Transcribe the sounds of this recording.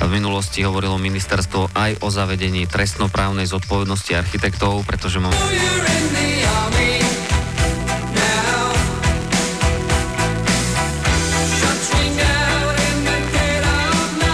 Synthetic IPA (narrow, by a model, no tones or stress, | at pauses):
vminulɔsciɦɔʋɔɾilɔminist̪ɛɾst̪ʋɔʔajʔɔzaʋɛɟɛɲiːt̪ɾɛst̪nɔpɾaːʊnɛjzɔt̪̚pɔʋɛd̪nɔsciaɾxit̪ɛkt̪ɔʊpɾɛt̪ɔʒɛmɔjəɹɪ̃nðiɑɹmi | naʊ | ʃʌt͡ʃɪ̃ŋdaʊʊ̃nɪ̃nðəkɛɾan